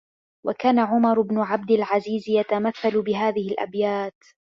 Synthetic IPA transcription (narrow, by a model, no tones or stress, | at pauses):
wʔakaːnaʕʊmɑɾˤʊbnʊʕab̚d̪ɪlʕaziːzjat̪amaθːalʊbɪɦaːðɪhɪlʔa̰bjaːt̪